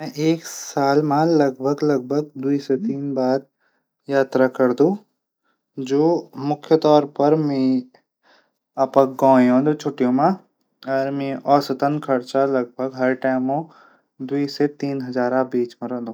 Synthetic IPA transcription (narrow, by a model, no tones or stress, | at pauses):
mɛ̃ʔeːksaːlmãlɐɡ̚bʱəɡlɐɡ̚bʱəɡ̚d̪uiset̪iːnbaːɾ | jaːt̪ɾakɐɾd̪ũ | d͡ʒoːmʊkʰjət̪ɔːɾpɐɾmẽ | apək̚ɡɔ̃ːjõːnd̪ut͡ʃʰoːʈijõmã | ɔɾmẽʔɔːsət̪ənkʰɐɾt͡ʃalɐɡ̚bʱəɡɦɐɾʈaːɪmõ | d̪uiset̪iːnɦɐzaːɾãbiːt͡ʃmẽɾɛ̃nd̪ũː